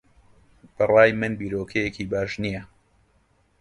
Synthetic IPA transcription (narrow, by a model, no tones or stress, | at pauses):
b̥ɐrˤɑːjmɨnbiːɾoːkʰɐjekiːbaːʃnijɐ